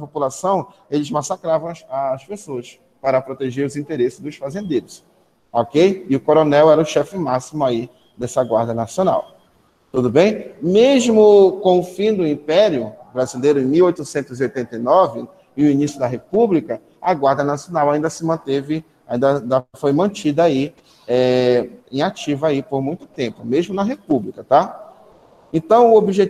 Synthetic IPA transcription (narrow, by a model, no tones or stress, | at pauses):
ɐpopulasɐ̃w̃ | elɪzmasakɾavɐ̃w̃aspesoɐs | paɾɐpɾot̪eʒeɾʊzĩnt̪eɾesɪ̥zd̪ʊsfazẽnd̪ejɾʊs | ɔkejɪʊkoɾonɛwɛɾɐʊʃɛfɪmasimʊai | d̪ɛsɐɡwaɾd̪ɐnasiona̰w | t̪ud̪ʊbẽj̃meʒmʊkõʊfĩd̪ʊĩpɛɾjʊbɾazilejɾʊẽj̃miwojt̪ʊsẽnt̪ʊziojt̪ẽnt̪ejnɔvɪ | ɪʊinisjʊd̪ɐɦepublikɐ | aɡwaɾd̪ɐnasijonawaĩnd̪ɐsɪmɐ̃t̪evɪ | aĩnd̪ɐd̪afojmɐ̃t͡ʃid̪ɐai | ɛẽj̃at͡ʃivɐaipoɾmũj̃t̪ʊ̥t̪ẽpʊmeʒmʊnɐɦepublikɐt̪a | ẽnt̪ɐ̃w̃ʊobiʒe